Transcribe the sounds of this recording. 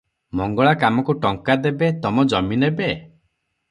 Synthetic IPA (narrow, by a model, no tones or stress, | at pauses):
mɔŋɡɔɭakamɔkuʈɔŋkad̪ebet̪ɔmɔd͡ʒɔminebe